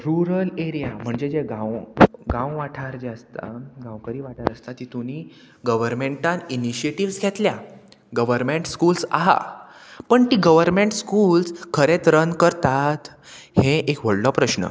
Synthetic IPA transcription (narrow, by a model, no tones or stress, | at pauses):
ɾuɾəleɾijam̤əɳd͡ʑed͡ʑeɡãwɡãwʋaʈʰaɾd͡ʑeəst̪a̰ɡãwkəɾiːʋaʈʰaɾəst̪at̪it̪uni | ɡəʋəɾmeɳʈãniniɕieʈiʋsɡʱet̪lja | ɡəʋəɾmeɳʈskulsa̰ɦa̰pəɳt̪iɡəʋəɾmeɳʈskuːlskʰəɾet̪ɾənkəɾt̪at̪ | hẽʔekʋəɭlɔpɾəɕnə̰